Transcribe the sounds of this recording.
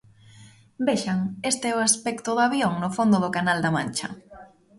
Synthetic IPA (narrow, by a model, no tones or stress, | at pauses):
beʃaŋest̪eɛʊaspɛkt̪ʊðaβjoŋnʊfond̪ʊðʊkanald̪amant͡ʃɐ̰